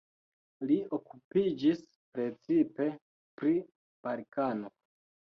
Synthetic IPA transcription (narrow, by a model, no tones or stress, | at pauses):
liokupid͡ʒis | pɾe̞t͡sipe̞ | pɾi | b̥alkano